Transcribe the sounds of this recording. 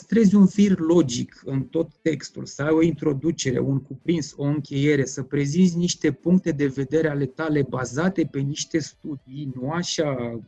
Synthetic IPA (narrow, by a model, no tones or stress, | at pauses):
st̪ɾe̞zʲunvirlo̞d͡ʒikɨnt̪o̞t̪ːe̞kst̪ṵlsəajo̞int̪ɾo̞d̪ut͡ʃe̞ɾe̞̰unkupɾinso̞ɨŋkʲe̞je̞ɾe̞səpɾe̞zizʲniʃt̪e̞puŋk̚t̪e̞d̪e̞ve̞d̪e̞ɾeale̞t̪ale̞bazat̪e̞pe̞niʃt̪e̞st̪ud̪ijnuaʃa